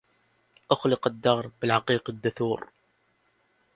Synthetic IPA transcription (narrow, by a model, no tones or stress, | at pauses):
ʔʊxlɪqad̪ːɑːɾˤbɪlʕɑqiːqad̪ːʊθuːɾ